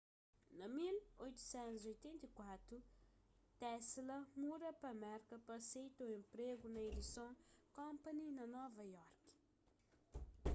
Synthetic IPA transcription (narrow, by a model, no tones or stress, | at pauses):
nɐmilojt̪u̥sɛ̃nt̪uzojt̪ɛ̃nt̪ikwat̪ɾu | t̪ɛslɐmuɾɐpɐmɛɾkɐpɐsejt̪oẽmpɾeɡunɐed̪isõkõmpaninɐnɔvɐjɔrki̥